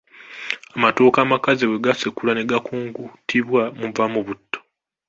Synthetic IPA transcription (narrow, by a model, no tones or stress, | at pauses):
amato̞ːkaːmakaziwe̞ɡasekulane̞ɡakuːŋɡutʰiβwamuvamuβutːo